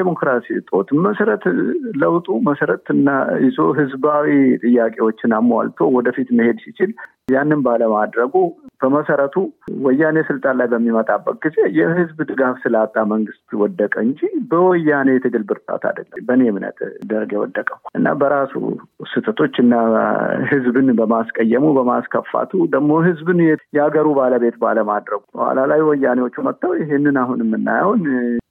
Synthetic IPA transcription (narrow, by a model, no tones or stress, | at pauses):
emo̞kɾasit̪ʼo̞t̪məsəɾət̪ləwt̪ʼuməsəɾət̪ɨnːaɪzoɦɨzbawit̪ʼɨjːakʼe̞wot͡ʃːɪnamːwa̰lt̪ʰo̞wɔd̪əfit̪məhe̞d̪sɪt͡ʃɪl | janːɨnbaləmad̪ɾəɡub̥əməsəɾət̪ʰuwɔjːanesɨlt̪ʼanlajbəmːimət̪ʼabːək̚ʼɡize̞jɛhɨzbd̪ɨɡafsɨlat̪ʼːaməŋɡɨst̪ʼwɔd̪ːəkʼəɨɲd͡ʒibəwɔjːane̞jɛt̪ʰɨɡɨlbɨɾt̪ʼa̰t̪ʰa̰d̪əllːəbənemnə̰t̪d̪əɾɡɛwɔ̰d̪ːəkʼəʔɨnːa̰bəɾasṵsɨt̪ʼːɨt̪ʰo̞t͡ʃːɨnːahɨzbɨnbəmaskʼəjːəmubəmaskʰəfːa̰t̪ʰud̪əɡmo̞ɦɨzbɨnjɛjɛaɡəɾubaləbe̞t̪ba̰ləmad̪ɾəɡubəhwa̰lalajwɔjːanewot͡ʃːumət̪ːawjɪɦɪnːɨnaɦunɪmːɨnːa̰jawn